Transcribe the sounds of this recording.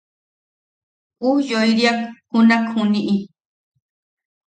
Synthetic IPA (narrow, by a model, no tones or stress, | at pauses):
ujojɾjakkʊnakʰʊniʔi